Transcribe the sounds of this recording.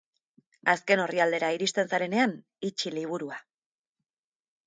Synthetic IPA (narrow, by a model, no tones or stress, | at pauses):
aske̞no̞riald̪e̞ɾaiɾist̪e̞nsaɾe̞ne̞an | it͡ʃiliβ̞uɾua